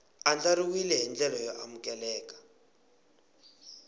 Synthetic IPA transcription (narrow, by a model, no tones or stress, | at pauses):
and͡ɮaɾiwilɛɦind͡ɮɛlɔjɔʔamukɛlɛːkḁ